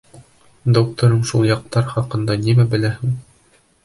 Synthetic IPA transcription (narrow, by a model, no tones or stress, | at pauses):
d̪ok̚t̪ŏɾɤɴʃulˠjɑq̚t̪ɑɾχɑqɤ̆nd̪ɑnimæbɘ̆læhɘŋ